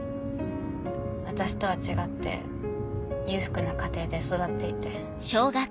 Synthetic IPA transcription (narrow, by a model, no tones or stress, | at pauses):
βat̪aɕi̥t̪o̞βat͡ɕiɡat̪ːe̞̰ | jʲɯ̟ːɸɯ̟̥kɯ̟nakat̪e̞ːd̪e̞so̞d̪at̪ːe̞it̪e̞ | ɕoːɡa